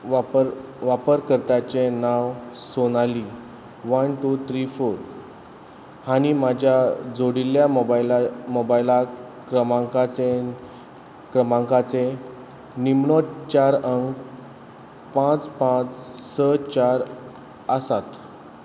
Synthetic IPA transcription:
apəɾʋapəɾkəɾt̪at͡ɕenaʋsoñali | ʋənʈut̪ʰɾifoɾ | hañimad͡ʑʱjad͡zoɽiljamobalamobajla | kɾəmãŋkat͡se | kɾəmãŋkat͡se | nimɳɔt̪t͡ɕaɾəŋk | pãt͡spãt͡ssət͡ɕaɾ | əsat̪

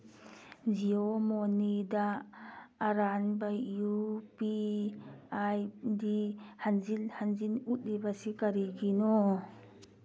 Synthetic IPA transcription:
ziomonida | aɾanbajːupi | ajdihanzilhanzinut̚libasikaɾiɡinɔ

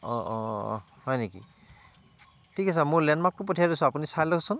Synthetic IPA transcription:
ɔɔ̰ | hɔjnekḭ | tʰikasamʊɹlɛnmak̚tʊpɔtʰijadisɔ̃apunisajlɔkʰsʊn

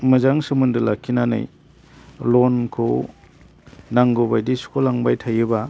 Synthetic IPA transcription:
mɐzaŋsɯmundɯlakʰːinanɯ̰j | lonkʰo | naŋɡobajdiskʰolaŋbajtʰajɯba

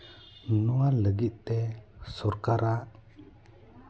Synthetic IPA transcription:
nualəɡit̪̚t̪esɔɾkaɾaʔ

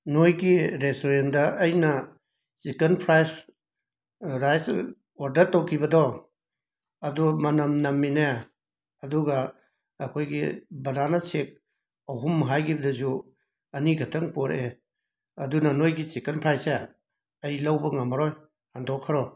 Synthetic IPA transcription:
nojɡiɾesoɾendɐʔːjnɐ | sikɐnpʰɾajs | ɾajs | aɾdɐɾtowkʰibɐdɔ | ɐdumɐnɐmnɐmːine | ɐduɡɐː | kʰojɡḭbɐnanɐsek̚ | ɐwɦumːɐɦajɡibɐdɐzu | ɐniɡʱɐtʰɐŋpoɾe | ɐdunɐnojɡisikɐnpʰɾajse | ɐjlɐwbɐŋamaɾɔj | handɔkʰːaɾɔ

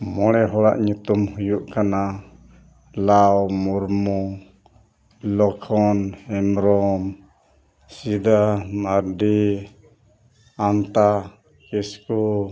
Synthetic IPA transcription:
mɔɽɛɦɔɽa̰ʔɲut̪umhujuʔkana | lawmuɾmɔ | lɔkʰɔnhɛmɾɔm | sid̪amaɖi | ant̪a | kisku

